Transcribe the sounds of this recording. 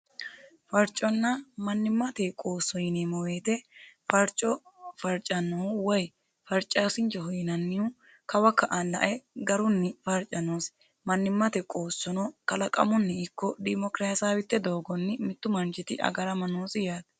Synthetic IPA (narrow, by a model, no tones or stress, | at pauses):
fɐɾt͡ʃʼːɔnːɐmɐnːɪmːɐt̪ekʼo̞ːsːɔjɪneːmɔwe̞ːt̪ɛfɐɾt͡ʃʼɔfɐɾt͡ʃʼːɐnːɔwɐj | fɐɾt͡ʃʼːaːsɪnt͡ʃːɛhɔjɪnɐnːɪju | kɐwɐkːɐʔɐlːɐ̰ʔɛɡɐɾʊnːɪfɐɾt͡ʃʼːɐnoːs | mɐnːɪmːɐt̪ɛkʼoːsːɔnɔkɐlɐkʼɐ̰mʊnːɪɪkːɔd̪ɪmɔkɾaːsaːwɪt̪ːɛd̪o̞ːɡɔnːɪmɪt̪ːʊmɐnt͡ʃɪt̪ɪʔɐ̰ɡɐɾɐmɐnoːsɪjaːt̪